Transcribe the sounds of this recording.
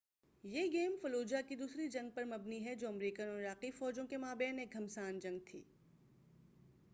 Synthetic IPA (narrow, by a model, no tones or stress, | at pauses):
jeːɡeːmfɐloːd͡ʒakid̪uːsɾid͡ʒɐ̃ŋɡ̚pɐɾmɐbniɦɛd͡ʒoːɐmɾiːkənɔːɾaːqifɔːd͡ʒõkemaːbɛːneːk̚ɦɐmsaːnd͡ʒɐ̃ŋɡ̚t̪ʰḭː